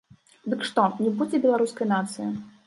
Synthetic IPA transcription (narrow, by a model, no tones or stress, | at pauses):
d̪ɨkʂt̪ɔnʲibud͡zʲɛbʲɛlˠaɾuskɐjnat̪sɨji